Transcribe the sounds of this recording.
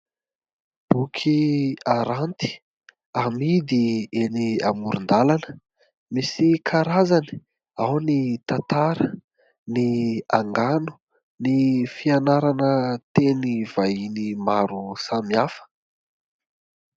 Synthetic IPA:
b̥ukʰiaɾant̪i̥ | amid̪ieniamuɾund̪alanə̥ | misikʰaɾazani̥ | awnit̪at̪aɾə | niaŋɡanu̥ | nifianaɾanət̪eniv̥ainimaɾusamiafə̥

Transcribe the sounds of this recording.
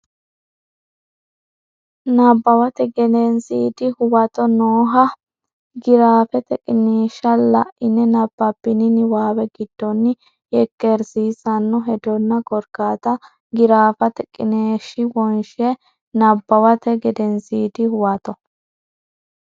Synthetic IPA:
nɐbːɐwɐt̪ɛɡɛnɛnsiːd̪ɪhʊwɐt̪ɔnoːɦɐ | ɡɪɾaːfɛt̪ɛkʼːɪneːʃɐlɐʔʔɪnːɛnɐbːɐpːɪnɪnɪwaːwɛɡɪd̪̥ːɔnːɪ | jɛkːɛɾsiːsɐnːɔɦɛd̪ɔnːɐkɔɾkaːt̪ɐ | ɡɪɾaːfɐt̪ɛkʼːɪneːʃɪwɔnʃɛ | nɐbːɐwɐt̪ɛɡɛd̪ɛnsiːd̪ɪhʊwɐt̪ɔ

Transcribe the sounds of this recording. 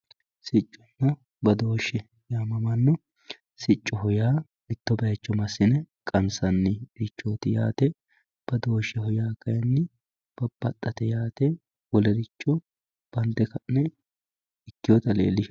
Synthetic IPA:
sɪt͡ʃʼːɔnːɐ | bɐd̪o̞ːʃːɛ | jaːmɐmɐnːɔ | sɪt͡ʃʼːɔɦɔjaː | ɪt̪ːɔbɐjɐt͡ʃːɔmɐsːɪnɛkʼɐnsɐnːɪɾɪt͡ʃːoːt̪ɪja̰ːt̪ɛ | b̥ɐd̪o̞ːʃːɛhɔjaːkɐjɐnːɪ | b̥ɐb̥ːɐt̪ʼːɐt̪ɛjaːt̪ɛ | wɔlɛɾɪt͡ʃːɔ | b̥ɐnt̪ːɛkɐʔnɛ | ɪkːɪjɔt̪ɐlḛːlːɪʃ

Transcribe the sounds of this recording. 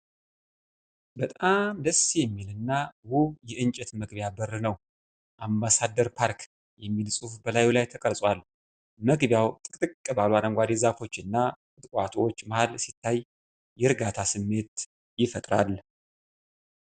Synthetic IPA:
bət̪ʼamd̪əsːijɛmːilɨnːawuhjɛʔɨɲt͡ʃʼɛt̪məɡbjabərɨnəw | ʔambasad̪ːəɾpʰaɾkʰ | jɛmːilsʼufbəlajulajt̪ʰəkʼəɾsʼwal | məɡbjawt̪ʼɨkʼt̪ʼɨkʼːɨbaluaɾəŋɡʷad̪ezafo̞t͡ʃːɨnːatʼɨt̪ʼkʼwat̪ʰwot͡ʃːmahalsit̪ʰːaj | jɛɾɨɡat̪ʰasɨmːe̞t̪ | jɪfət̪ʼɾa̰l

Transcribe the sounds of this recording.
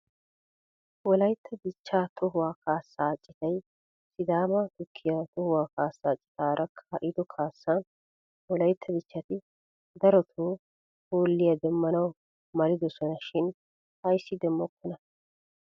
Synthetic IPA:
wɔlɐjt̪ʰːɐbɪt͡ʃːaːt̪ʰɔɦʊwaːkaːsːaːt͡ʃʼːɪt̪ɐj | sɪd̪aːmɐt̪ʊkʰːɪjat̪ɔhʊwaːkaːsːaːt͡ʃʼɪ̥t̪aːɾʔɐkʰɐʔɪd̪ɔkʰaːsːaːn | wɔlɐjt̪ʰːɐbɪt͡ʃːɐt̪ɪ | d̪ɐɾɔt̪ʰuː | hoːlːɪjɐd̪ɛmːɐnɐw | mɐlɪd̪ɔsɔnɐʃɪn | hɐjsːɪd̪ɛmːɔkːɔnɐ

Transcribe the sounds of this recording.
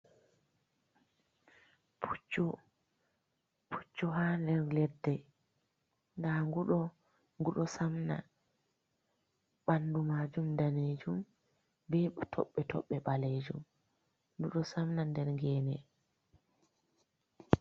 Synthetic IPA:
pʰut͡ʃːɔ | pʰu̥t͡ʃːɔɦandɛɾlɛdːɛ | ŋɡaŋɡuɗɔ | ŋɡuɗɔsamna̰ | ɓandumad͡ʒumdaneːd͡ʒum | bɛtʰɔ̰ɓːɛtʰɔ̰ɓːɛɓaleːd͡ʒṵm | ɡuɗɔsamnandɛɾŋɡɛːnɛ

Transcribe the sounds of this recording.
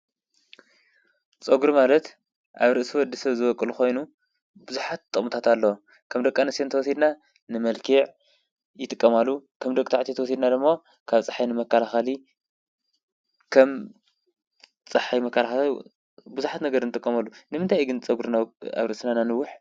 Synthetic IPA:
t͡sʼɐɡuɾumalɐt̪ | ʔaβɾɨʔsiwɔd̪ːisɐβzɨβɔkʼːɨluxo̞jnu | bɨzuħat̪ʼːɨχmut̪ʰat̪alːɐwo | kʰɐmd̪ɐkʼːanɨsent̪ɐwɔsid̪na | nɨmɐlkʰiʕ | jɪt̪ʼɨkʼːɐmalːukʰɐmd̪ɐkʼt̪aʕt̪ʰit̪ʰɐwɔsid̪nad̪ɨmːo | kʰaβt͡sʼaħajnɨmɐkːalaxali | kʰɐm | t͡sʼɨħajmɐkʰːalaxa | buzuħat̪nɐɡɐɾɨnɨt̪ʼɨkʼːɐmɐlːunɨmɨnt̪ʰajɡɨnt͡sʼɐɡuɾnaa̰βɾɨʔsinananɨwːʊħ

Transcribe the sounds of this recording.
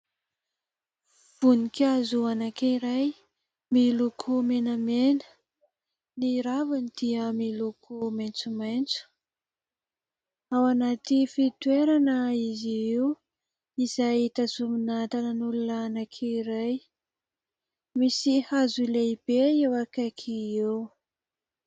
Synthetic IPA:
v̥unikʲazuanakiɾaj | milukʰumenamenə̥ | niɾavanid̪̥iəmilukʰumajnt͡sumajnt͡su̥ | awanat̪ifit̪weɾanəiziew | izajit̪azuminat̪anənulunaanakʰiiɾaj | misihazuleib̥eewakakʰiew

